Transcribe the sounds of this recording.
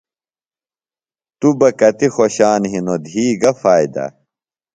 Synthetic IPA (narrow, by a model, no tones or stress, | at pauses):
t̪ubɐkɐt̪ixoɕaːnɦinod̪ʱiːɡɐfaːid̪ɐ̰